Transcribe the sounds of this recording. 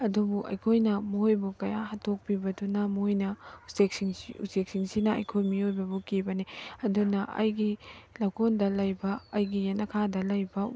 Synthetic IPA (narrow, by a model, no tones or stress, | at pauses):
ɐdubuʔɐ̰jkʰojnɐmoojbukɐjahɐtʰok̚pibɐdunɐmojnɐusekiŋṵsek̚siŋsinɐɐ̰jkʰojmiojbɐbukibɐniɐdunɐʔɐ̰jɡilaɡʰondɐlɐjbɐːjɡijanɐkʰadɐlɐjbɐ